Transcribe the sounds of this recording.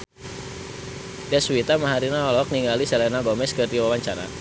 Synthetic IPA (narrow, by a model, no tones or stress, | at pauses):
dɛswit̪amaɦaɾinaɔlɔk̚niŋɡalisɛlɛnaɡɔmɛskɨrdiwawaɲt͡ʃaɾa̰